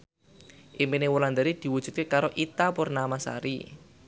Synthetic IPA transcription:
ʔimpinewuland̪aɾid̪̥i̤wud̥ʒ̥ṳt̪̚kekaɾoʔit̪apurnamasa̰ɾi

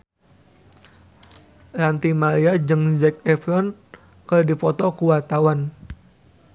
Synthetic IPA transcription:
rant̪imaliad͡ʒɨŋzɛk̚ɛfɾɔn | kərdifɔt̪ɔkuwat̪awan

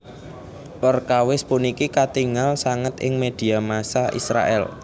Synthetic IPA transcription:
pərkawɪspʊnikikat̪iŋalsaŋət̪ɪ̰ŋmed̪̥i̤amasaʔḭsɾa̰ʔɛ̰l

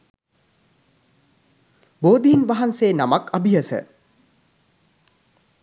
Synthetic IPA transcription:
boːd̪iɦinʋaɦanseːnamakabiɦɐsə̰

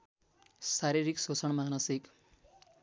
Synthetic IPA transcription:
saɾiɾiksot͡sʰʌɳmanʌsik

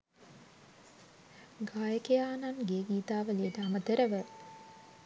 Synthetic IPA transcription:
ɡaːjəkejaːnanɡeːɡiːt̪aːʋəleːʈəamət̪əɾəʋə

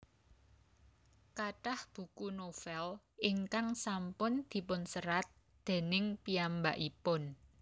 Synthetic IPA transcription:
kaʈahb̥ṳkunofɛl | ɪŋkaŋsampʊnd̪̥i̤pʊnsəɾat̪̚ | d̪̥e̤nɪŋpiamba̰ʔipʊn

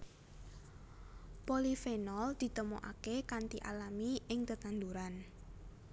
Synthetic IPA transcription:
polifenɔld̪̥i̤t̪əmoʔakekant̪iʔalamiɪŋt̪ət̪and̪uɾan

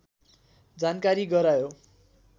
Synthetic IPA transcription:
d͡zankaɾiɡʌɾajo

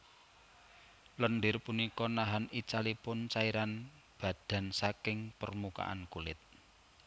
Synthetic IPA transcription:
lɔnɖɪrpunikɔnaɦanit͡ʃalipʊnt͡ʃaiɾan | b̥ä̤d̪̥a̤nsakɪŋpərmuka̰ʔa̰nkulɪt̪̚

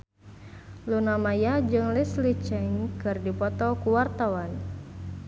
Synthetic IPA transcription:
lunamajad͡ʒɨŋlislit͡ʃɛŋkɨrdipɔt̪ɔkuwart̪awan

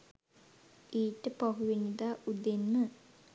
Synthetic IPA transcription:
iːʈəpaɦuʋenid̪aːud̪enːə

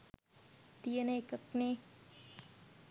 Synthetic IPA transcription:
t̪iənekəkne

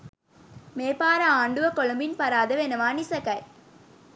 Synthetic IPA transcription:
meːpaːɾɐaːɳɖɯʋɐkɔɭɐmbɪnpɐɾaːðɐʋenɐʋaːnisɐkɐj

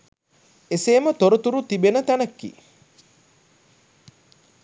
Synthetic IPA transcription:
eseːmət̪oɾut̪uɾut̪ibenət̪ænɐkːḭː

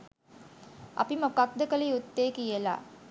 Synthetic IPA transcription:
ʔɐ̰pimɐkɐk̚d̪ɐkɐlɐjut̪ːeːkijela̰ː

